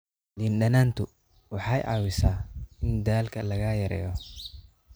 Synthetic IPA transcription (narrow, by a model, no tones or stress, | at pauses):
dinɗɐnaːnt̪ʰʊ | wɑħɑjʔɑ̰wɪsaːɪnd̪aːlkʰɐlɐɣaːjɐɾɛ̰ːjɔ